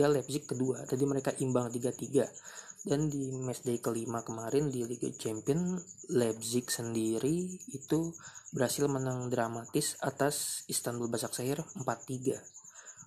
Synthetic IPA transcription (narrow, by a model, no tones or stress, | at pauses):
alɛbsɪkːəduat̪adiməɾekaʔimbaŋt̪iɡat̪iɡadandimɛsdajkəlimakəmaɾɪndiliɡa̰t͡ʃɛmpiɔnlɛb̚zɪksəndiɾiːt̪ubəɾhasɪlmənaŋdɾamat̪ɪsat̪asist̪anbəlbasak̚saɦɪrəmpat̪ːiɡa